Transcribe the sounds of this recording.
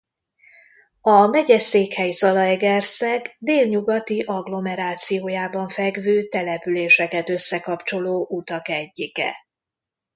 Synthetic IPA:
ɒmɛɟɛseːkhɛjsɒlɒɛɡɛrsɛɡd̪eːlɲuɡɒt̪iʔɒɡlo̞mɛɾaːt̪sijoːjaːbɒɱfɛɡvøːt̪ɛlɛpyleːʃɛkɛt̪ø̞sːɛkɒpt͡ʃo̞loːʔut̪ɒkɛɟːikɛ̰

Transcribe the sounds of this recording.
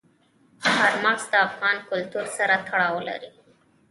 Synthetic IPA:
haɾmaɣsd̪əafɣɑnkʊlt̪uɾsaɾat̪ʰaɽɑwla̰ɾi

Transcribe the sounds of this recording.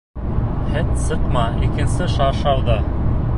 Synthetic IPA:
hɘt̪sɤqmɑikɘ̆nsɘʃɑʃɑlˠd̪ɤ

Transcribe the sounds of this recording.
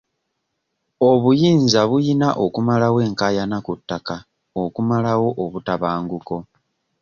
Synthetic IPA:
o̞βujiːnzaβujinaʔo̞kumalawe̞ːŋkaːjanakutːaka | okumalawo̞ʔoβutaβaːŋɡuko̞

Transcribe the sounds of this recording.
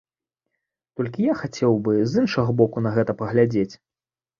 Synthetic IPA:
t̪ɔlʲkʲijaxat͡sʲɛwbɨzɨnʂɐɣɐbɔkunɐɣɛt̪ɐpɐɣlʲad͡zʲet͡sʲ

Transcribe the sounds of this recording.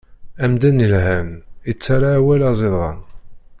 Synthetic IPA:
æmd̪ænəlhæmit͡sːaɾaːwælɑzˤeðˤʁˤɑ̰n

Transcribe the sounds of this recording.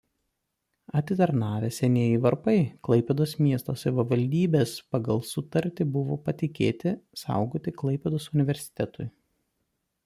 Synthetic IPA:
ɐt̪ʲɪt̪ɐɾnɑːʋʲesʲɛnʲeɛjɪʋɐɾpɐɪklˠɐɪpʲɛd̪oːsmʲiɛst̪oːsɐʋʲɪʋɐlʲd̪ʲiːbʲeːspɐɡɐlˠsʊt̪ɐɾʲt̪ʲɪbʊʋo̰ːpɐt̪ʲɪkʲeːt̪ʲɪsɑ̰ˑʊɡoːt̪ʲɪklˠɐɪpʲɛd̪oːsʊnʲɪʋʲɛɾʲsʲɪ̥t̪ʲɛt̪ʊɪ

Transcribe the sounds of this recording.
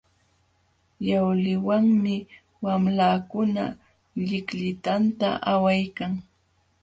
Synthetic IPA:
jawlɪwaŋmɪ | wamlaːkʊna̰ | ʎɪkʎɪt̪ant̪a̰ʔawajkaŋ

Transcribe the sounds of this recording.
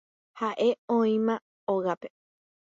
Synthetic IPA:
haʔeõĩmã | oɣape

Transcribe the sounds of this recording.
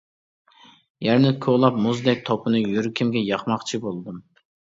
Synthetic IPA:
jæɾnɪkʲʰoʁlˠɑp̚muzd̪ɛk̚ʲt̪ʰɔpʰɨnɨjyɾkʲʰimɡʲɛjɑχmɑχt͡ʃʰibolˠd̪ɨm

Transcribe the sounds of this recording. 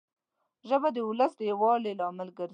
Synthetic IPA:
ʒəbad̪əʊləsd̪əjawɑlelɑmɪlɡəɾ

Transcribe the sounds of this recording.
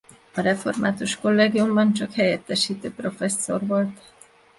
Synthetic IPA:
ɒɾɛfo̞̰rmaːt̪uʃko̞lːeːɡijumbɒnt͡ʃɒkhɛjɛt̪ːɛʃiːt̪øːpro̞fɛsːo̞rvo̞lt̪

